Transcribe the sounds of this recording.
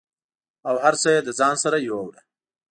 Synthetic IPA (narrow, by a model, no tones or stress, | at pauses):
awɦaɾsojed̪əzɑːnsaɾajowawɽa